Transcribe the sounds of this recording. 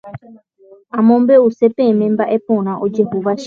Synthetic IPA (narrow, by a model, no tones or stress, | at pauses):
ãmõmbe̞use̞pemẽmbaʔe̞põɾ̃ãʔod͡ʒe̞huʋaʃ